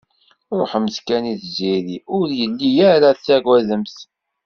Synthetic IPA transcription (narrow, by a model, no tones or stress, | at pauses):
ɾoħməskæniθziɾiʊɾjəlːijæɾat͡sːæɡwæðəmθ